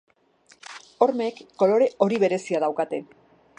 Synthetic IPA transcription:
o̞ɾme̞kːo̞lo̞ɾe̞ʔo̞ɾiβe̞ɾe̞siað̞awkat̪e̞

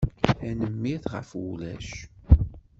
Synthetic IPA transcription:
ænəmːiθʁə̰fulæ̰ʃ

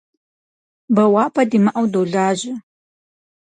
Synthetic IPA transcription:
bɐwaːpʰɐdimɐʔɐwdowɮaːʑɪ

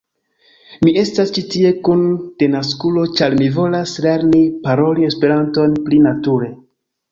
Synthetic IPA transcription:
mie̞stast͡ʃitie̞kund̥e̞naskulo̞t͡ʃaɾmivo̞lasle̞ɾnipaɾo̞lie̞spe̞ɾanto̞nplinatuɾe̞

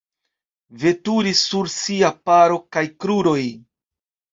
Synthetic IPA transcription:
ve̞tuɾisːuɾsiapaɾo̞kajkɾuɾo̞j

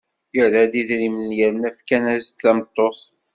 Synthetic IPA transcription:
ɪɾæd̪iðɾimənjæɾnæfkænæzt̪ːæmt̪ˤːoθ

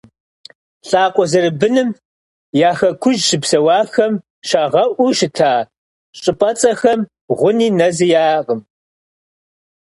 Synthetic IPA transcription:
ɬʼaːqʷʼɔzɐɾɨbɨnɨm | jaːxɐkʷʰʊʒʃɨpsɐwaːxɐm | ʃaːʁɐʔʷuʃɪtʰaː | ɕʼɨpʼɐt͡sʼɐxɐm | ʁʷʊniːnɐzɨjaːqəm

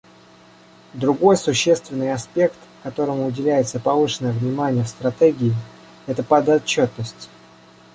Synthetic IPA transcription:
d̪ɾʊɡo̞jsʊɕːe̞st̪vʲɪnːɨjɐspʲe̞kt̪kɐt̪o̞ɾəmʊːʊdʲɪlʲæjɪt̪səpɐvɨʂɨnəjəvnʲɪmanʲɪjəfst̪ɾɐt̪ɛɡʲɪɪ | ɛt̪əpɐd̪ɐt͡ɕːo̞t̪nəsʲtʲ

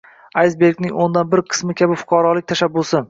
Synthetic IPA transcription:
ajzbe̞ɾɡʲnɪŋʲond̪anbɪɾqʰɨ̥smɪkʲʰabɪfʊ̥qʰɑɾɒlˠɪk̚ʲt̪ʰaʃabːʊsɪ

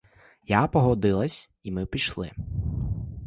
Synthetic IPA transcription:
japɔɦɔd̪ɪlˠɐsʲ | imɪpʲiʃlˠɪ̰

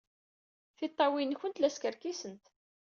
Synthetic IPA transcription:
θit̪ˤːɑwinçənt̪læskəɾkisənt̪

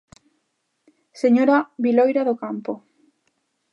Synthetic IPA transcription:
seɲoɾaβilojɾaðokampo

